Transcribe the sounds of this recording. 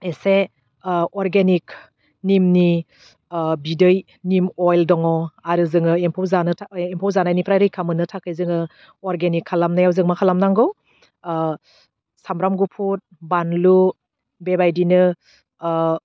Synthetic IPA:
ese | ɔɾɡenik | nimni | bidɯj | nimɔjldɔŋɔaɾɯzɯŋɯempʰɔwzanɯtʰempʰɔwzanajnipʰɾajɾɯjkʰamɯnɯtʰakʰɯjzɯŋɯ | ɔɾɡenikʰːalamnajawzɯŋmakʰalamnaŋɡɔw | samɾamɡupʰut̚banlu | bebajdinɯ

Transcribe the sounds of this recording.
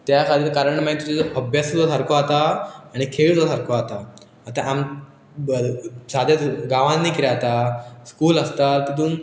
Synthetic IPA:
t̪jakʰat̪iːɾkaɾəɳmãt̪ut͡ɕeəbjasut̪ɔt̪ʰaɾkoat̪aːɽ̃ikʰeɭt̪ɔsʰaɾkoat̪aː | t̪aʔam | sad̪ʱjat̪ɡãʋãnnːikiɾjat̪askuːləst̪alt̪it̪̬uːm

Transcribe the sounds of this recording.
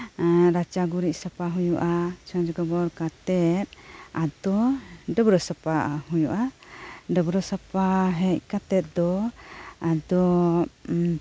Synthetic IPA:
ɾat͡ʃaɡuɾiʔsapaɦujuʔat͡ʃʰɔd͡ʒɔɡɔbɔɾkat̪ɛt̪̚ad̪ɔɖəbɾɔsapahujuʔaɖəbɾɔsapaɦɛʔ̚kat̪ɛt̪̚d̪ɔ | ad̪ɔ

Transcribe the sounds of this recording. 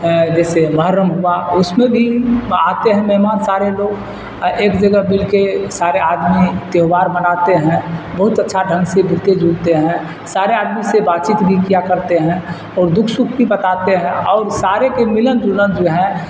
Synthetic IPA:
d͡ʒɛːseməɦəɾəmɦʊaʊsmẽbʱia̰ːt̪eɦɛ̃mɛɦmaːnsaːɾeloːɡ | eːkd͡ʒəɡəbɪlkesaːɾeaːd̪mit̪eɦʋaːɾmənat̪eɦɛ̃bɐɦʊt̪ətːʃʰaɖʱə̃ŋɡsebɪlt̪ed͡ʒult̪eɦɛ̃ | saːɾeaːd̪misebaːtt͡ʃit̪bʱikijakəɾt̪eɦɛ̃ | ɔːɾd̪ʊkʰsʊk̚ʰt̪ibət̪at̪eɦɛ̃ɔːɾsaːɾekemɪlənd͡ʒulənd͡ʒoɦɛ̃

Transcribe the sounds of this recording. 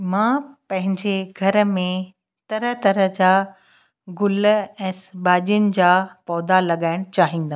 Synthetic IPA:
mãːpɐ̃ɦɪ̃ɲd͡ʑeɡʱɐɾə̆mẽ | t̪ɐɾət̪ɐɾəɦd͡ʑaː | ɡʊlɛ̃ːsbaːʄijʊnɪ̆d͡ʑaːpɔːd̪alɐɠaːɪɽ̃t͡ɕaːɦĩːnd̪ə

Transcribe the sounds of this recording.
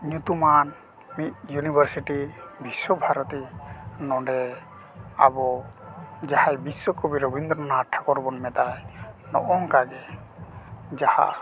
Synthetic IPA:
nut̪uman | mit̪̚junibʱaɾsiʈibiswɔbʱaɾɔt̪inɔɖɛ | a̰bɔ | d͡ʒahajbiswɔkɔbiɾɔbʱind̪ɾɔɔnaʈʰːakɔɾbɔnmɛt̪ajnɔʔɔŋkaɡɛ | d͡ʒaha̰

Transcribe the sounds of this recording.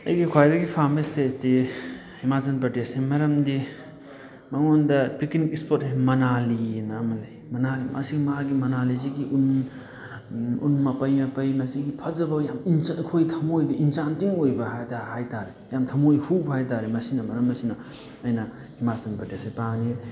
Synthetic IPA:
ɐ̰jɡikʰwajdɐɡipʰamestedi | himazɐnpɾɐtesemɐɾɐmdi | mɐŋondɐpiknikispʰotɦemɐnalinɐmɐlejmɐnalimʔa̰siɡmaɡimɐnaliziɡiʔun | ṵnmɐpɐjmɐpɐjmɐsiɡipʰɐzɐbɐjaminkʰojtʰɐmojbɐʔinsantiŋojbɐɦajtahajtaɾe | jamtʰɐmojhubɐhajtaɾimɐsinɐmɐɾɐmːɐsinɐː | jnɐ | himazɐnpɾɐtesepaŋni

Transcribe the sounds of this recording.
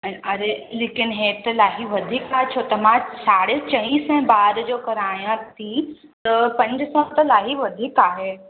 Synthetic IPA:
ɛ̃ʔɐɾeleːkɪnɦeːt̪ɐlaːɦiʋɐd̪ʱiːkaːɦet͡ɕʰot̪ɐmãsaːɽet͡ɕɐ̃ʋĩːsɛ̃baːɾd͡ʑoːkɐɾaːjãt̪ʰi | t̪ɐpɐ̃ɲd͡ʑʊsãt̪ɐlaːɦiʋɐd̪ʱiːkaːɦeː

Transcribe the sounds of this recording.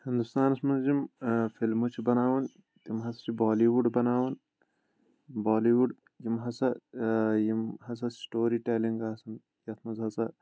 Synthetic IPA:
hind̪ust̪aːnɐsmɐnzjimfilmut͡ʃʰibɐnaːʋɐn | t̪imɦɐsɐ̥t͡ʃʰibaːliʋuɖbɐnaːʋɐn | baːliʋuɖ | jimɦɐsɐ | jimɦɐs̬ɐsʈoːɾiʈeliŋɡaːsɐn | jɐt̪ʰmɐzɦɐsɐ

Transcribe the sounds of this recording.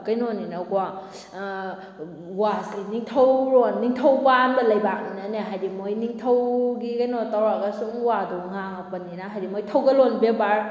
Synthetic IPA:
kajnoninaɡwa | wasiniŋtʰawɾonːiŋtʰawbanbɐlɐjbak̚ninaneɦajdimojniŋtʰɐwɡikajnotawɾakasuŋwaduŋa | pɐnːinaɦajdimojtʰawɡɐlonbebaɾ

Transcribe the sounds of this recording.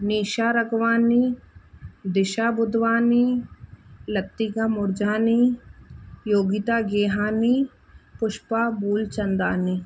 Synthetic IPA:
niːʃaːɾɐɡʋaːni | d̪ɪʃaːbʊd̪ʋaːni | lɐt̪ːiɡamʊɾd͡ʒaːni | joːɡit̪aːɡeːɦaːni | pʊʃpaːbuːlt͡ʃɐnd̪aːni

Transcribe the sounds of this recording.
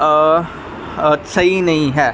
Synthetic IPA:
sɐɦinɐɦĩɦɛː

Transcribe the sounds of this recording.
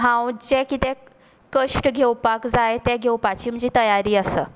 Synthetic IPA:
ɦãwd͡ʑekit̪ɛ̃ | kəʂʈɡʱewpakd͡zajt̪ɛɡʱewpat͡ɕiːm̤əɲd͡ʑiːt̪əjaɾiːəsəː

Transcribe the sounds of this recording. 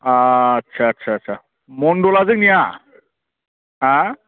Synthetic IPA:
aətːɕʰaətːɕʰaətːɕʰa | moɳɖolad͡zəknija | ɦã

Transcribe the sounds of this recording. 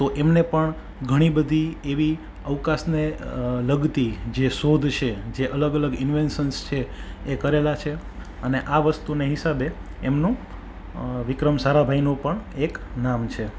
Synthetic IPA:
t̪oʔemnepəɳ | ɡʱəɽ̃ibəd̪ʱieʋi | əʋkasneləɡt̪id͡ʒesod̪ʱt͡ʃʰed͡ʒeʔələɡələɡɪnʋensənst͡ʃʰeːkəɾelat͡ʃʰe | əneʔaʋəst̪uneɦɪsabeemnũ | ʋɪkɾəmsaɾabʱainũpəɳeknamt͡ʃʰe

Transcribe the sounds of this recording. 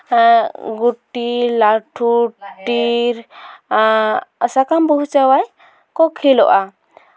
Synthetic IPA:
ɡuʈːilaʈʰuʈiɾ | əsakambuɦut͡ʃawaj | kɔkʰilɔʔa

